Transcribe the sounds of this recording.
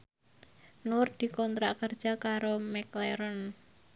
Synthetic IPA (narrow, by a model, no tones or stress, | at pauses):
nʊrd̪̥i̤kɔnt̪ɾakərd̥ʒ̥a̤kaɾomɛkleɾɔn